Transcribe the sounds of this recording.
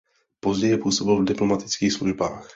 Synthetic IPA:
po̞zɟɛjɛpuːso̞bɪlvdɪplomat̪ɪ̥t͡skiːxsluʒbaːx

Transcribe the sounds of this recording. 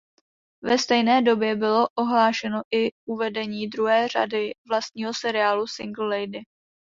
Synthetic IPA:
vɛst̪ɛjnɛːdo̞bjɛbɪlo̞ʔoɦlaːʃɛno̞ʔɪʔuvɛdɛɲiːdɾuɦɛːr̝a̰dɪvlast̪̚ɲiːɦo̞sɛɾɪaːlusɪŋɡl̩lɛjdɪ

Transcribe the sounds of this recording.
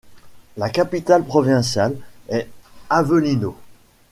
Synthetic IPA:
lakapit̪alpχɔvɛ̃sjalɛavəlino

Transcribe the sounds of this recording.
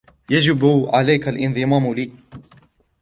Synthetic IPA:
jad͡ʒɪbʕalajkalʔɪnðˤɨmaːmliː

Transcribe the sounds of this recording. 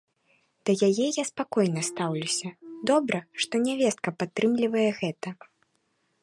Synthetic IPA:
d̪̥ɐjajɛjaspakɔjnɐst̪awlʲusʲɐd̪ɔbɾɐʂt̪ɔnʲavʲɛst̪̚kɐpat̪ːɾɨmlʲivɐjɛɣɛt̪ɐ

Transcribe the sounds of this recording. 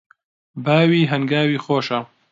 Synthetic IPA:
baːwiːɦɐŋɡaːwiːxoːʃɐ

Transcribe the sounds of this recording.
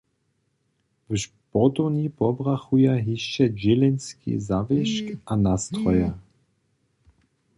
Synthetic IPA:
vəʃpɔt̪ɔnipɔbʁaxujaɦiʃt͡ʃɛd͡ʑelɛnskʰḭzavɛʃkanast̪ɾɔja

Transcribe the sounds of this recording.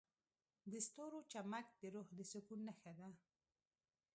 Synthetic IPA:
d̪əst̪oɾot͡ʃamak̚t̪eɾohd̪əsʊkunnːaxad̪a

